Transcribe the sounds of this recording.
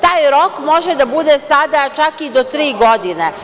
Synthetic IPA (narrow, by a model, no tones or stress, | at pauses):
t̪aːjɾo̞kmo̞ʒed̪abud̪esad̪at͡ʃakid̪ot̪ɾiːɡo̞d̪ine